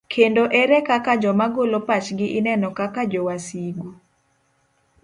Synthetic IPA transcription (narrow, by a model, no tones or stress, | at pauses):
kʰendoʔɛɾɛkakad͡ʒɔmaɡolopat͡ʃɡɪʔɪnɛnɔkakad͡ʒɔwasiɡu